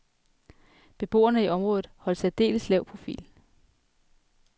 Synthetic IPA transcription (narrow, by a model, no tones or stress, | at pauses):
b̥e̝b̥o̝̰ːɐnəiʔɒ̽mʁɔ̽ːðð̩ˠhɒ̽l̰sæd̥e̝̰ːləslɛʊpʰʁo̝fḭːl